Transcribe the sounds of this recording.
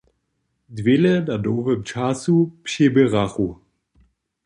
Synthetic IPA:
dvɪlədadoːvəmt͡ʃasupʃebəʁaχu

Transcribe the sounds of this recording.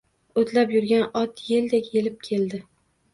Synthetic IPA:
ot̪ʰlapjʊɾɡʲanɒt̪ʰjeld̪ekʲjelɪp̚kʲʰe̞ld̪ɪ

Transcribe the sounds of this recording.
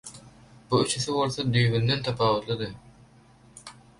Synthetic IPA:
buyt͡ʃʰyθibo̞lˠθod̪yjβynd̪ent̪ʰɑpʰɑːβɯt̪lˠɯd̪ɯ

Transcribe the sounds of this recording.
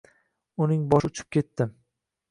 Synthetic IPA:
ʊnɪŋbɒʃʊt͡ʃʰɪ̥p̚kʲʰe̞t̪ːɪ

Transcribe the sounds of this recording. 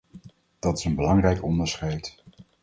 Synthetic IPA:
d̥ɑtɪ̥sənbəlɑŋrɛjkɔndəɹsχɛjt

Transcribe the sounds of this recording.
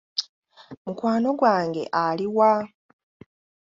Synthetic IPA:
mukwaːno̞ɡwaːŋɡe̞̰ʔaliwa

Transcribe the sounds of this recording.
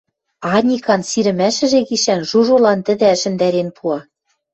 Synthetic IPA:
ɑnʲikɑnsiɾɘ̆mæʃɘ̆ʒeɣiʃænʒuʒolɑnt̪ɘ̆d̪ɘ̆ʃɘ̆nd̪æɾenpʰuɑ

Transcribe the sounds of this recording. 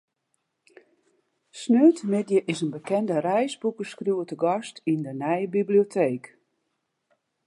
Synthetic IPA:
snøːtmɪdjəʔɪsənbəkɛndərɛjsbukəskrjuwətəɡɔstindənɛjəbiblijotʰeːk

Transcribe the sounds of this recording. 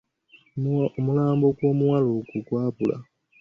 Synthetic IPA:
omulaːmbokwoːmuwalokukwaːpulʔa̰

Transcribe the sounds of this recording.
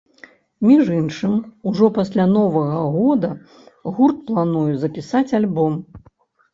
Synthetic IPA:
mʲiʐinʂɨmuʐɔpasʲlʲanɔvɐɣɐɣɔd̪ɐ | ɣurt̪̚plˠanujuzɐpʲisat͡sʲalʲbɔm

